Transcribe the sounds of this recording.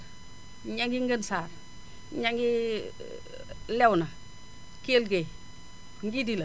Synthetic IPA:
ɲaŋɡiŋɡənsaːɾ | ɲaŋɡi | lɛwna | kelɡe | ŋɡidila

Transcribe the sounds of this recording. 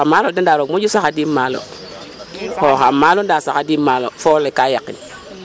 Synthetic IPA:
amalodendaɾokmod͡ʒusakadimalo̰ | hoxamalondasakadimalo̰folekajakːḭn

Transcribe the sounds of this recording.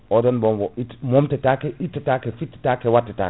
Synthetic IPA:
ɔdɔnbɔmwɔitmomtetakeitːetakefitːi̥takewatːeta̰

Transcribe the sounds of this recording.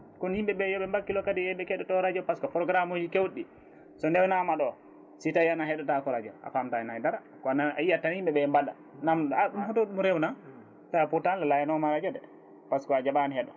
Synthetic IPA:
kɔnhimɓɛɓɛjɔɓɛmbakːilɔkadiɛɓɛkɛɗɔtɔɾad͡ʒɔpaskɔpɾɔɡɾamod͡ʒikewɗːi | sɔndɛwnamaɗɔ | sitajianaɦɛɗɔtakɔɾad͡ʒɔ̰ʔa̰famtanajdaɾa | kɔnaaijatːanhimbɛɓɛmbaɗa̰ | namaɗumfɔtoɗumɾɛwna | tajaputanlalajanɔmaɾad͡ʒɔdɛ | paskɔad͡ʒaɓanhɛɗɔ

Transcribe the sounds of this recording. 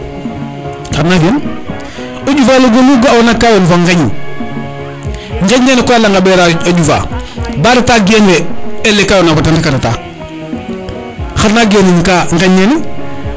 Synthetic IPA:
xaɾnaɡen | oɟufaːloɡoluɡawonakːajonufaŋɡaɲṵ | ŋ̩ɡaɲːeːnekoalːaŋɡabeɾaoɟufa̰baɾataɡeːneelːekajonafatantikaɾata̰ | xaɾnaːɡeniŋkaŋɡaɲeni

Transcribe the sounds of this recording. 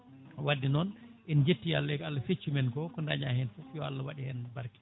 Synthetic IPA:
wadːinɔnʔind͡ʒetːia̰lːɛjkalːafet͡ʃːumɛnkɔkɔndaɲahɛnfufjɔa̰lːawaɗihɛnbaɾki̥

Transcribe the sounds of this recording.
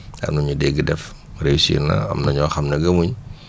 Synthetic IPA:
ɐ̰mnɐɲudɛɡidɛf | resḭrna̰ɐ̰mnɐɲɔxɐmnɛɡɐmuɲ

